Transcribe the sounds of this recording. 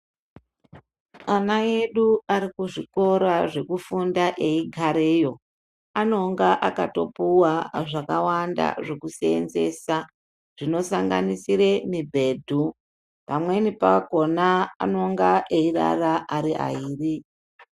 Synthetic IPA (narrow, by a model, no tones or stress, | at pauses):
anae̞ɗuaɾikuʐiko̞ɾaʐe̞kufundaʔeiɡʱaɾeːjo̞ | ano̞ŋɡaʔakato̞̰puwaʐakawanda̰ʐe̞kuseḛnze̞sa | ʐ̥ino̞saŋɡa̰nisiɾe̞mibʱe̞ːdʱu | pamwe̞nipaako̞na̰ːno̞ŋɡaʔeira̰raʔaɾiʔa̰iːri